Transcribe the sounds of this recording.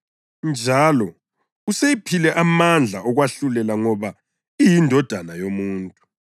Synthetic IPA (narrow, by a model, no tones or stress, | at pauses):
nd͡ʒʱalɔ | usejipʰilɛʔamand͡ɮʱa̰ʔɔɣwaɬulɛlaŋɔβa | ijindʱɔd̥ʱanajomuːntʼu